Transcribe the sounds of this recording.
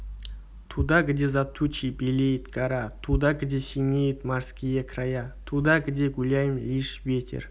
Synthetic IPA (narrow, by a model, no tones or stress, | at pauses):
t̪ʰud̪aɡʲɪd̪ʲezat̪ʰːut͡ʃibelʲejt̪ɡaɾat̪ʰud̪aɡɪd̪ʲesʲinʲejt̪mɑɾskʲijakʰrajat̪ʰud̪ɑɡɪd̪ʲeɡulʲajɪmiʃvet̪ʲʰḛr